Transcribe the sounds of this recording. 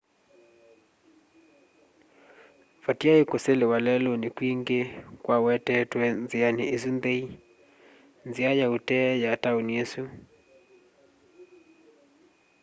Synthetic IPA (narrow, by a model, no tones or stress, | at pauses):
fatiaikʊselɪwalɛlonikwiŋɡekwawɛtɛtwɛnzianiizunbɛi | nziajautɛjatauniesu